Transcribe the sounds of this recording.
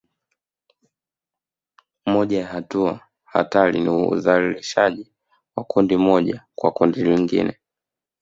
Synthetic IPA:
mɔʄajahatua | ha̰taliniṵzaliliʃaʄi | wakundimɔʄakwakundiliŋɡḭnɛ

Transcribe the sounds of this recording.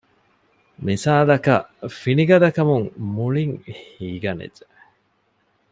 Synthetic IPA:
misaːd̪ɐkɐ̰finiɡɐd̪ɐkɐmuŋmuɭiŋhiːɡɐnḛd͡ʒe

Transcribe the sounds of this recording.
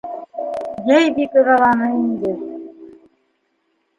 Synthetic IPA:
jæjbikɤ̆ʁɑlˠɑnɤind̪ɘ

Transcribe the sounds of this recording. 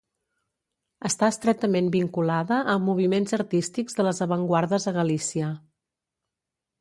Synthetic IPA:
əst̪aəst̪ɾɛt̪əmembiŋkulaðəʔəmːuβ̞imenzəɾt̪ist̪iɡzðələzəβəŋɡwaɾðəzðəɣəlisiə

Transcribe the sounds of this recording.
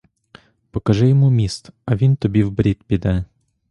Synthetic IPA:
pəkɐʐɨjɪmumʲist̪ɐvʲint̪ʊbʲivbɾʲit̪̚bʲɪd̪a

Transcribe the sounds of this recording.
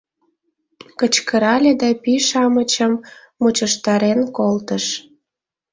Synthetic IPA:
kət͡ɕkəɾɑlʲed̪ɑpiʃɑmət͡ɕəmː | ut͡ɕəʃt̪ɑɾenkolt̪əʃ

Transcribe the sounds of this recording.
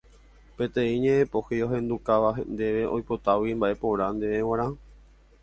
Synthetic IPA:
pẽ̞t̪ẽ̞ĩɲẽ̞ẽpo̞heo̞ɦẽ̞nd̪ukaʋaɦend̪e̞ʋe̞ʔo̞̰jpo̞t̪awimbaʔe̞po̞ʋɾãnd̪eʋẽwãɾ̃ã

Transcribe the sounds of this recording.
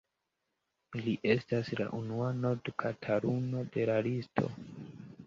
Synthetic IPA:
liʔe̞stasla̰ʔunuano̞ɾdkʰatʰaɾuno̞de̞lalistʰo̞̰

